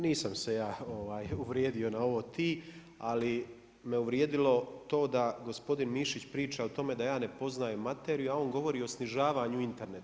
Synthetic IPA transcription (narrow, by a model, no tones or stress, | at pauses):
niːsamse̞jaːo̞ʋaːjuʋɾjeːd̪io̞nao̞ʋo̞t̪ʰiː | ali | me̞uʋɾje̞ːd̪ilo̞t̪o̞ːd̪aɡo̞spo̞d̪inmiʃit͡ɕpɾiːt͡ʃaot̪o̞me̞d̪ajaːne̞po̞znaːjumat̪eɾijuao̞ːŋɡo̞ʋo̞ɾiːo̞sniʒaːʋaɲuint̪e̞ɾnet̪